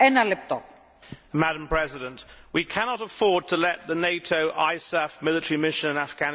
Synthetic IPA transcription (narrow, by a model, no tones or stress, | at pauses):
ɛnɐlep̚t̪o | mæɾə̃mpʰɹ̥ɛzɪɾə̃nʔwikʰænɒɾəfɔɹd̚tʰəlɛʔ̪̚ðəneɪtʰoʊʔaɪsɛfmɪlɪtəɹimɪʃə̃nɪ̃nafɡ̥æn